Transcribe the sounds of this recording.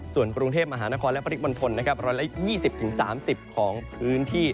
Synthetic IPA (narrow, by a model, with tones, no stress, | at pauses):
su˨˩ənkɾu˧ŋt̪ʰeː˥˩p̚ma˧ɦaː˩˦na˦˥kɔː˧nlpʰa˧ɾʰi˦˥mo˧nt̪ʰo˧nːa˦˥kʰa˦˥p̚ɾɔː˧jla˦˥jiː˥˩si˨˩p̚t̪ʰɯ˩˦ŋsa̰ː˩˦msi˨˩p̚kʰɔː˩˦ŋpʰɯː˦˥nt̪ʰiː˥˩